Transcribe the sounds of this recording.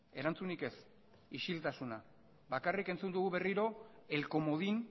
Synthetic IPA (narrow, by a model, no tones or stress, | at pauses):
e̞ɾant͡sunike̞s | iʃilt̪asuna | bakarike̞nt͡sund̪uɣuβe̞riɾo̞e̞lko̞mo̞ðin